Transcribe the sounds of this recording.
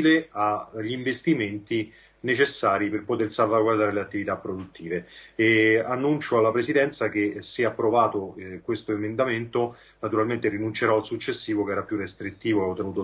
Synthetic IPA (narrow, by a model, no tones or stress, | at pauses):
leaʎːiɱvest̪iment̪i | net͡ʃesːaːɾiperpot̪ersalvaɡward̪aːɾeleat̪ːivit̪apːɾod̪ut̪ːiːveeanːunt͡ʃoalːapɾesid̪ɛnt̪sakesːeapːɾovaːt̪okwest̪oemend̪ament̪o | nat̪uɾalment̪erinunt͡ʃeɾɔalsut͡ʃːesːiːvokɛːɾapjurest̪ɾit̪ːiːvoot̪ːenuːt̪o